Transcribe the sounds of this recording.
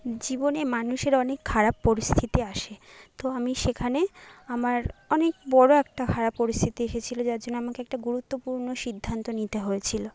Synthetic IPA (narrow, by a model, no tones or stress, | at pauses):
d͡ʑibonemanuʃeɾɔnekʰːaɾapːoɾist̪ʰit̪iaʃet̪oamiʃekʰaneamaɾɔnekbɔɽoɛk̚ʈakʰaɾapːoɾist̪ʰit̪ieʃet͡ɕʰilod͡ʑaɾd͡ʑonːoamakeɛk̚ʈaɡuɾut̪ːopuɾnoʃid̪ʱːant̪onit̪eɦojet͡ɕʰilo